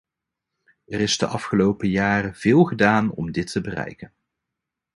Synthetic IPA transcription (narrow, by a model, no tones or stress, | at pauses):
ɛrɪzdəʔɑfχəlowpəjaːrəv̥ɪːlˠχədaːnɔ̰mdɪtʰəbərɛ̰jkən